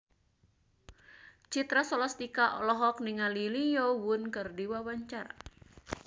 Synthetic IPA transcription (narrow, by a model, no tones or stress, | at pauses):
t͡ʃit̪ɾasɔlast̪ikaʔɔ̰lɔɦɔk̚niŋalilijɔwʊnkɨrdiwawaɲt͡ʃaɾa̰